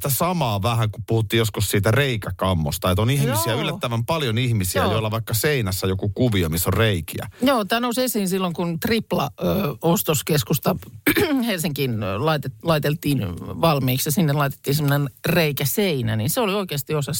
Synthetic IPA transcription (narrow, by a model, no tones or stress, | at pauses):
t̪æsɑmɑːʋæhæŋkuppuhut̪ːiːjjoskussiːt̪æreikækɑmːo̰st̪ɑet̪onihmisiæylːæt̪ːæʋæmpɑljonihmisiæjoilːɑʋɑikːɑseinæsːæjokukuʋiomisːorreikiæ̰joːt̪æːnousesiːnsilːoŋkunt̪riplɑːost̪oskeskust̪ɑ | helsiŋkinlɑit̪etlɑit̪elt̪iːnʋɑlmiːksjɑsinːelɑit̪e̥t̪ːiːnsemːonenreikæseinæ̰ninseolioikeːst̪iosɑs